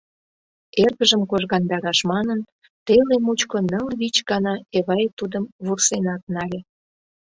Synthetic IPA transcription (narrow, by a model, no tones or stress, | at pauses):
erɣəʒəmkoʒɣɑnd̪ɑɾɑʃmɑnən | t̪elemut͡ɕkonəlβit͡ɕɡɑnɑeβɑjt̪ud̪əmβursenɑt̪̚nɑlʲe